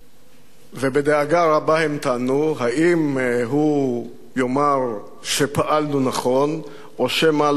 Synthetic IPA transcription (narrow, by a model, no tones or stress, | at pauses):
vebed̪eaɡaʁabahemt̪aːnuɦaʔimɦu | jo̞maʁ | ʃepaʔalnunaχo̞n | oʃemal